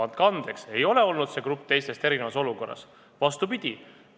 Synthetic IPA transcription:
ɑnt̪̚kɑɑnd̪̥e̞kse̞jo̞le̞o̞lnud̪̥se̞kɾup̚ːt̪e̞jst̪e̞st̪e̞ɾinevɑso̞luko̞rːɑ̰s | vɑst̪upid̪̥ʲi

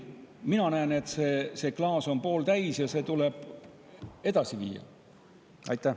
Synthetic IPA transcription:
minɑnæːne̞t̪se̞ːse̞ːklɑːso̞npo̞ːlt̪æjsjɑse̞ːt̪ule̞b̥ | e̞d̪̥ɑsivḭːjɑ̰ | ɑ̰jt̪ˑːæ

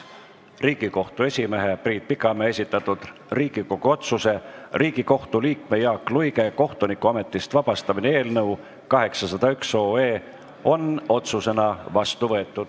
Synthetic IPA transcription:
riːɡ̥iko̞ht̪ue̞sʲime̞ɦe̞priːt̪̚pikːˑɑmeesʲit̪ːˑɑt̪ːˑud̪̥riːɡ̥iko̞ɡ̥uo̞t̪suse̞riːɡ̥iko̞ht̪uliːkme̞jɑːkːˑlujɡe̞ko̞ht̪unikuɑme̞t̪ːˑist̪vɑb̥ɑst̪ɑminee̞ːlnɤw | kɑɦe̞ksɑsɑd̪̥ɑykso̞ːe̞ː | o̞no̞t̪suse̞nɑvɑst̪uvɤe̞t̪ːˑud̪̥

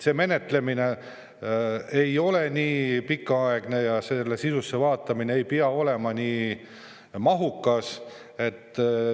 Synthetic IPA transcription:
se̞ːme̞ne̞t̪le̞mine̞ | e̞jo̞le̞niːpikːɑɑeɡ̥ne̞jɑse̞lːe̞sisusːe̞vɑːt̪ːˑɑmineejpiɑo̞le̞mɑniː | mɑɦukːˑɑs | e̞t̪ː

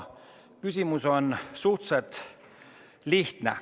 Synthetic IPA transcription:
kysʲimuso̞nsuht̪set̪ | liht̪nḛ

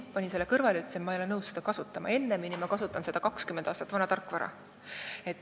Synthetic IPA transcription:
pɑnʲise̞lːekɤrvɑleyt̪ːsemɑejoenɤwse̞d̪̥ɑkɑsut̪ˑːɑmɑ̰e̞nːeminimɑkɑsut̪ːˑɑnse̞d̪̥ɑkɑkskymed̪̥ɑːst̪ɑt̪ːˑvɑnɑt̪ɑrkːˑvɑɾɑ̰ | e̞t̪ː

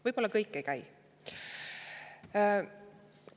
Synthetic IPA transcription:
vɤjb̥o̞lːɑkɤjkˑːe̞jkæj

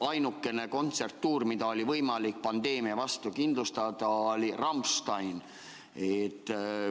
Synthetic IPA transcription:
ɑjnukːˑe̞ne̞ko̞nt̪se̞rt̪ːuːrmid̪ɑo̞lʲivɤjmɑlik̚pɑnd̪e̞ːmiɑvɑst̪ukind̪lust̪ɑd̪̥ɑolʲirɑmpst̪ɑjn | et̪ːˑ

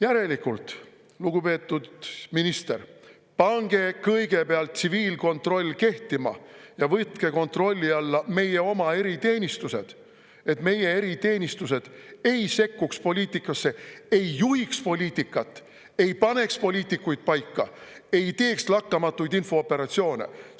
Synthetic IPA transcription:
jæɾe̞likːult̪ | luɡ̥upe̞ːt̪ːˑud̪minist̪e̞r | pɑŋɡ̥e̞kɤjɡ̥e̞peɑlt̪siviːlko̞nt̪ro̞lʲːke̞ht̪imɑ̰jɑvɤt̪ke̞ko̞nt̪ro̞lʲːiɑlːɑme̞je̞o̞mɑe̞ɾit̪e̞ːnʲist̪use̞d̪̥ | e̞t̪me̞je̞e̞ɾit̪e̞ːnʲist̪us̬e̞d̪̥e̞jse̞kːukspo̞lʲiːt̪ˑikːˑɑsːe̞ejːuhikspo̞lʲiːt̪ːˑikːˑɑt̪ːˑ | e̞jpɑne̞kspo̞lʲiːt̪ikːujt̪̚pɑjkˑːɑe̞jt̪e̞ːkslɑkːɑmɑt̪ːˑujd̪info̞opːe̞ɾɑt̪sio̞ːnḛ

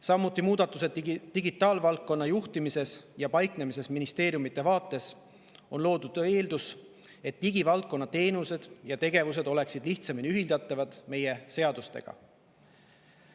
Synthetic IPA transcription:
sɑmːut̪ːˑimuːd̪̥ɑt̪ːˑuse̞d̪t̪iɡit̪ːˑɑːlvɑlt̪̚kːo̞nːɑjuht̪imise̞sjɑpɑjkne̞mis̬e̞sminist̪e̞ːɾjumit̪ːˑe̞vɑːt̪ːˑe̞s | o̞nlo̞ːd̪̥ud̪̥e̞ːld̪us | e̞t̪ːiɡ̥ivɑlt̪̚kːo̞nːɑt̪e̞ːnuse̞d̪̥jɑt̪e̞ɡ̥e̞vuse̞d̪̥o̞le̞ksid̪̥liht̪sɑminyɦild̪ɑt̪ːˑɑvɑd̪̥me̞je̞se̞ɑd̪̥ust̪e̞̰ɡ̥ɑ̰

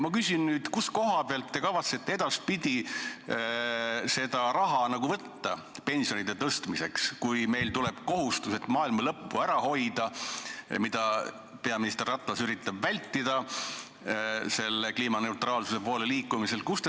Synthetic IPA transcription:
mɑkysʲinnyːd̪̥kusko̞ɦɑpeɑlt̪ːe̞kɑvɑt̪set̪ːed̪̥ɑspid̪̥ʲi | se̞d̪̥ɑɾɑɦɑnɑɡuvɤt̪ːɑpe̞nʲsio̞nid̪e̞t̪ɤst̪mise̞kskujme̞jlt̪uleb̥ko̞ɦust̪use̞t̪ːˑmɑːilmɑlɤpːuæɾɑho̞jd̪ɑ | mid̪̥ɑ | pe̞ɑminist̪e̞rːɑt̪ːˑɑsyɾit̪ˑːɑbvælʲt̪ːid̪ɑ | se̞lːekliːmɑne̞uwt̪rɑːlsuse̞po̞ːle̞liːkːˑumise̞lkust̪

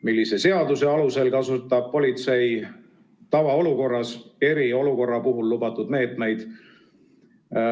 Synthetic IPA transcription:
milːise̞se̞ɑd̪use̞ɑluse̞lkɑsut̪ːˑɑb̥̚po̞lʲit̪se̞j | t̪ɑvɑo̞luko̞rːɑse̞ɾio̞luko̞rːɑpuɦulːubɑt̪ːˑud̪me̞ːt̪ˑme̞jd̪̥

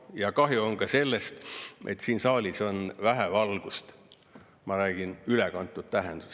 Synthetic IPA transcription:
jɑkɑɦjuoŋkɑse̞lːe̞st̪et̪ːsiːnsɑːlʲiso̞nvæɦevɑlɡ̥ust̪ | mɑɾæːɡ̥inylekɑnt̪ːˑut̪̚t̪æɦend̪̥u

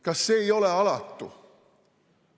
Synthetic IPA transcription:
kɑsːeːioleɑlɑt̪ːṵ

